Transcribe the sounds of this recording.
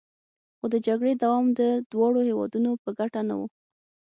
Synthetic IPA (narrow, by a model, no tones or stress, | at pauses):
xod̪əd͡ʒaɡɽed̪awɑmd̪əd̪̥wɑɽohewɑ̰d̪unopəɡaʈana̰wṵ